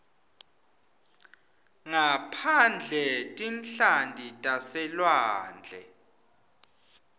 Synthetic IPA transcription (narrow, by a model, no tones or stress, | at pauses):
ŋapʰand͡ɮʱɛtʼinɬandʱitʼasɛlwaːnd͡ɮʱɛ̰